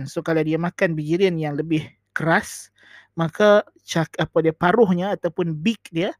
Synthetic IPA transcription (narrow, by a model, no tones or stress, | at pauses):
nsokaladiamakanbid͡ʒiɾinjaŋləbɪh | kəɾas | maka | t͡ʃakapadiapaɾʊhɲaːt̪awpʊnbɪk̚dia